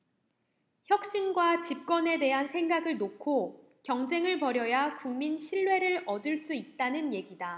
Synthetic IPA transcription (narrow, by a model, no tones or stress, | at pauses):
çjʌk̚ɕ͈inɡwat͡ɕip̚k͈ʌne̞de̞ɦansʰeŋɡaɡɯɭnokʰo | kjʌŋd͡ʑe̞ŋɯɭpʌɾjʌjakuŋminɕʰiɭːwe̞ɾɯɭʌdɯɭs͈uit̚t͈anɯnje̞ɡida